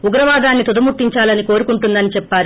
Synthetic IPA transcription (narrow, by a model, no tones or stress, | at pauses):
uɡɾɐʋaːd̪aːnːit̪ud̪ɐmuʈ̪ːiɲt͡ʃaːlɐniko̞ːɾukuɳʈund̪ɐnit͡ʃɛpːaːɾ